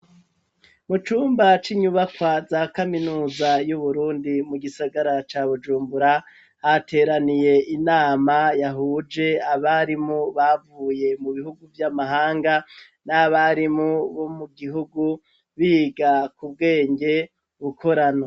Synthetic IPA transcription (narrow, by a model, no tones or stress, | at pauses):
mut͡ʃuːmbat͡ʃiɲuβakwazaːkaminuːzajuβuɾuːndimuɡisaɡaɾat͡ʃaːβud͡ʒuːmbuɾa | hate̞ːɾanije̞ʔinaːmajaɦuːd͡ʒe̞aβaɾimuβavuːje̞muβihuɡuvjamaɦaːŋɡa | naβaɾimuβo̞muɡiɦuɡu | βiːɡakub̚ɡe̞ːɲɟe̞ | βukʰo̞ɾano